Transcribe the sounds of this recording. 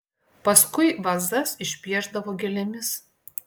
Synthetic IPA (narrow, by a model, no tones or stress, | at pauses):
pɐskʊɪʋɐzd̪ɐsɪʃʲpʲiɛʒd̪ɐʋoːɡʲɛlʲɛmʲɪs